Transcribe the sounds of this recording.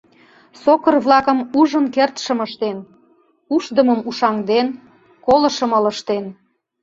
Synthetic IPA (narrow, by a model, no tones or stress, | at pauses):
sokərβlɑkə̆muʒənkert̪ʃəməʃt̪en | uʃd̪əməmuʃɑŋd̪en | kolə̆ʃə̆mələ̆ʃt̪en